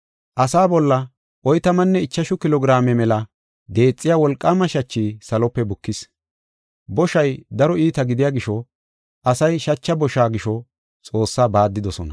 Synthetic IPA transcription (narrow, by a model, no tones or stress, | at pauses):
ʔɐsaːbɔlːɐ | ʔɔjt̪ɐmɐnːɛɪt͡ʃːɐʃʊkɪlɔɡɪɾaːmɛmɛlɐ | d̪e̞ːt͡sʼːɪjaːwɔlkʼːaːmɐʃɐt͡ʃːiːsɐlɔpːɛbʊkːɪs | bɔʃɐjd̪ɐɾɔiːt̪ɐɡɪd̪ɪjaːɡɪʃɔ | ʔɐsɐjʃɐt͡ʃːɐbɔʃaːɡɪʃɔ | t͡sʼo̞ːsːaːbaːd̪ːɪd̪ɔsɔnɐ